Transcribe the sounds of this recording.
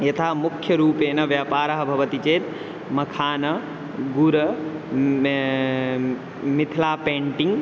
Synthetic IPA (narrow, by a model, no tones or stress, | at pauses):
jɐt̪ʰaːmʊkʰjɐɾuːpeːnɐʋjaːpaːɾɐɦɐbʱɐʋɐt̪it͡ɕeːt̪ | mɐkʰaːnɐ | ɡuɾɐ | mɪt̪ʰilaːpẽːɳʈĩŋɡ